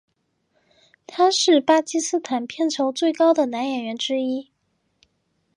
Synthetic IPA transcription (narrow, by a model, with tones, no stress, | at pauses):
t̪ʰa˥ʂɻ̩˥˩pa˥t͡ɕi˥sɹ̩˥t̪ʰa˨˩npʰjɛ˥˩nʈ͡ʂʰo˧˥ʊt͡swe˥˩ɪkɑ˥ʊd̪ə˨na˧˥njɛ˨˩nɥɛ˧˥nʈ͡ʂɻ̩˥i˥